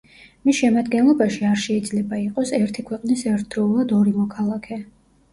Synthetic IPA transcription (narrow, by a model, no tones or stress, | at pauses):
misʃɛmad̪ɡɛnlˠɔbaʃiaɾʃɛid̪zlɛbaiqʼɔsɛɾt̪ʰikʰwɛqʼnisɛɾt̪ʰd̪̥ɾɔulˠad̪ɔɾimɔkʰalˠakʰɛ